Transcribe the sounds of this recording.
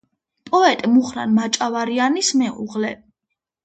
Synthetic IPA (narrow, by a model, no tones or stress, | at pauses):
pʼɔɛt̪ʼmuχɾa̰nmat͡ʃʼavaɾianismɛṵʁlɛ